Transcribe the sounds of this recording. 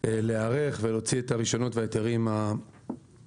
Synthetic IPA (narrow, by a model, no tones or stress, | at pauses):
eleaʁe̞χvelo̞t͡sietaʁiʃo̞no̞tveaeteʁima